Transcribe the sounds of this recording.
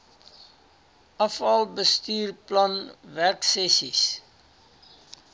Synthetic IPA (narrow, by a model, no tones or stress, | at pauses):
ɔfɔlbəstyːrplanværksɛsis